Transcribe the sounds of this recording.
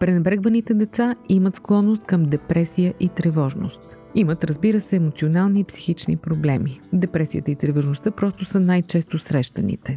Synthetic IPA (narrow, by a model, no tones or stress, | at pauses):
pɾɛnɛbɾɛɡvənit̪ɛd̪ɛt̪saimət̪sklˠɔnːost̪̚kɐmd̪ɛpɾɛsijəʔit̪ɾɛvɔʒno̰st̪ | imət̪ɾəzbiɾəsɛːmot̪sionalˠniːpsi̥xit͡ʃnḭpɾoblɛmid̪ɛpɾɛsijət̪əit̪ɾɛvoʒnost̪əpɾɔst̪ʊsənajt͡ʃɛst̪osɾɛʃt̪ənḭt̪ɛ